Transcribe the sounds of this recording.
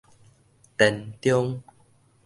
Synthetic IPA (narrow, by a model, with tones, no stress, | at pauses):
t̪ɛ˧˩nt̪jɔ˦˧ŋ